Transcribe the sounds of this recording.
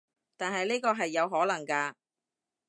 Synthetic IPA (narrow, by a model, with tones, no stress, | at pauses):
t̪aː˨nɦɐ˨jniː˥kɔː˧ɦɐ˨jːɐ˨˧wɦɔː˨˥lɐ˨˩ŋkaː˧